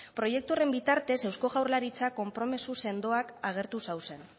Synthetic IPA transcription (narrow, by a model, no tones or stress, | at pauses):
pɾo̞je̞k̚t̪ure̞mbit̪aɾt̪e̞se̞wsko̞ɣawɾlaɾit͡sako̞mpɾo̞me̞suse̞nd̪o̞akaɣ̞e̞ɾt̪usawse̞n